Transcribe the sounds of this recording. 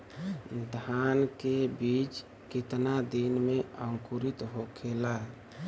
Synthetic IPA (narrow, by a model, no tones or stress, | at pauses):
d̪ʱankebit͡ʃ | kɪt̪nad̪inmeəŋkuɾit̪ɦokʰela